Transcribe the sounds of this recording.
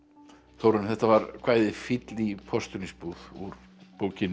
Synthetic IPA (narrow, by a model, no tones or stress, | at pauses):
θowɾʏnθɛht̪ːavaɾkʰvaːjðɪfɪt̪lipʰɔst̪ʏnispuð̥uɾ | poːwcɪn